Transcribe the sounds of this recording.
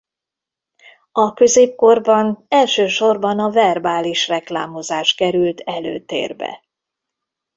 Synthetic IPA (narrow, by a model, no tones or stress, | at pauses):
ɒkø̞zeːp̚ko̞rbɒnɛlʃøːʃo̞rbɒnɒvɛrbaːliʃrɛkla̰ːmo̞zaːʃkɛɾylt̪ʰɛlø̰ːt̪ḛːrbɛ̰